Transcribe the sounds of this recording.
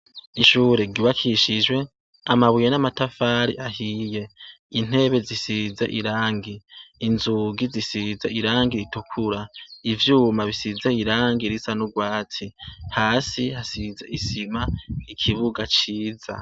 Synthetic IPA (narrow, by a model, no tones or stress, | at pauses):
iʃuːɾeɡiβakʰiʃid͡ʒwe̞ | amaβujenamatafaːɾḭʔaɦiːje̞ | in̥e̞βe̞zisizḛʔiɾaːŋɡiːnzuɡizisizeiɾaːŋɡiɾitukʰuɾaivjuːmaβisizeiɾaːŋɡiɾisanuɡwaːt͡sʰihaːsihasizeisimaikʰiβuɡat͡ʃiːza̰